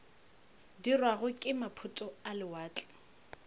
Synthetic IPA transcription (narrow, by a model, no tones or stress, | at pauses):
dirwaɣʊkʼɪmapʰʊtʼɔalɪwaːt͡ɬʼɛ̥